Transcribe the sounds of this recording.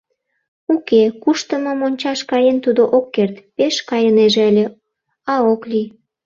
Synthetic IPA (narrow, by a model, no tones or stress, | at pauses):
ukekuʃt̪əməmonʲt͡ɕɑʃkɑjent̪ud̪oʔokːert̪peʃkɑjəneʒeəlʲe | ɑoklij